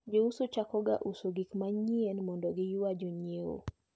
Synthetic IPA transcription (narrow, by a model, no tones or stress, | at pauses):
d͡ʒousot͡ʃakɔɡa̰ʔusoɡikmaɲienmɔndɔɡɪjwad͡ʒoɲieo̰